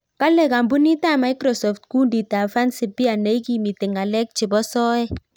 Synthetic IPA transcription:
ka˦lɛ˦˨ka˨mbu˦ni˦ta˦˨ma˨˦i˦kɾɔ˨sɔ˨ftku˦ndi˨ta˨fa˦nsi˨bi˦a˨ne˨˦i˦ki˦mi˨te˨ŋa˨lɛ˦k̚t͡ʃɪ˨bɔ˦sɔ˦ɛ˦

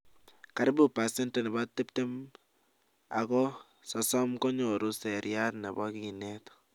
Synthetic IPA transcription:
ka˨ɾɪ˦bu˦pa˨se˦nte˨nɛ˨ba˦tːe˦pte˦m | a̰˨kɔ˦ | sɔ˨sɔ˦mkɔ˦ɲɔ˨ɾu˦sɛ˨ɾja˦tnɛ˨bɔ˦ki˨nɛ˦tɔ̥

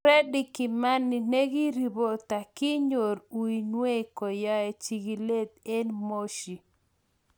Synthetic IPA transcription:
ɾɛ˦di˦ki˨ma˦nːi˨ne˦ɡi˦ɾi˨bo˦t̪a˨ki˦ɲo˨ɾu˨i˨nwe˦kɔ˨ja˦e˨t͡ʃi˨ɡi˨le˦t̪̚e˦nmo˦ʃi˨

